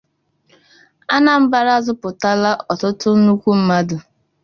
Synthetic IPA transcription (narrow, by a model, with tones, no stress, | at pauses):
a˦na˨m̩˦ba˨ɾa˦˨zʊ˦pʊ˨ta˦la˦ʔɔ˨tʊ˦tʊ˦nu˦kʷu˦m̩˦ma˦dʊ˨